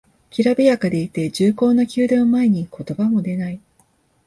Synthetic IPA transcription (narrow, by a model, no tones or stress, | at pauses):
kʲiɾabijakad̪e̞it̪e̞d͡ʑɨːko̞ːnokʲɨːd̪ãmːae̞ɲ̟ikʰo̞t̪o̞bamo̞d̪e̞nai